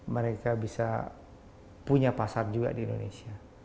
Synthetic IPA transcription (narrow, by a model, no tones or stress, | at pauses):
məɾekabisa̰ | puɲapasard͡ʒuɡa̰diːndonḛsia